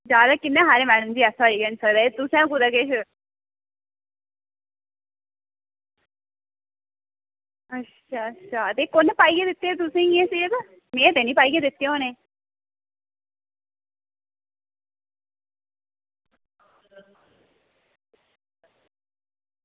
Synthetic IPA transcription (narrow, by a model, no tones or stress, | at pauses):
d͡ʒaːd̪aːkɪnːẽːɦaːɾeːmɛːɽəmd͡ʒiːasaːɾiːɡənsəɾat̪ʊsẽkʊd̪aːkeːʃ | ətːʃʃʰaːətːʃʰaːt̪eːkonpaːiːɡeːd̪ɪt̪ːeːt̪ʊsẽːiẽːsiːək | mẽːt̪eːnĩːpaːiɡeːd̪ɪt̪ːej̃onẽː